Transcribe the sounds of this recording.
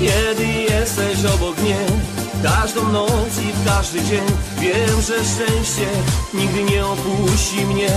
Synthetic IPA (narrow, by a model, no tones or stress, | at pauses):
kʲjɛd̪ɨjɛst̪ɛɕɔbɔkmɲɛfkaʐd̪ɔ̃w̃nɔt̪sifkaʐd̪ɨd͡ʑɛɲvʲjɛmʐɛʂt͡ʂɛ̃w̃ɕt͡ɕɛɲiɡ̚d̪ɨɲɛɔpuɕt͡ɕimɲɛ